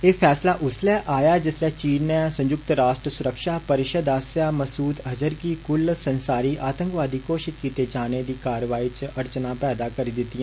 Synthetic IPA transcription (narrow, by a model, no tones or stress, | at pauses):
eːpʰɛːslaːʔʊslɛːʔaːjaːd͡ʒɪslɛːt͡ʃiːnɛ̃ːsə̃ɲd͡ʒʊkt̪ɾaːʃʈɾəsʊɾəkʃaːpəɾɪʃəd̪aːsjaːməsuːt̪ɦəd͡ʒəɾkiːkʊlsənsaːɾiːʔaːt̪ə̃ŋkʋaːd̪iːkoːʃɪt̪kiːt̪eːd͡ʒaːneːd̪iːkaːɾʋaːiːt͡ʃʔəɾt͡ʃnãːpɛːd̪aːkəɾiːd̪ɪt̪ːiɛ̃ː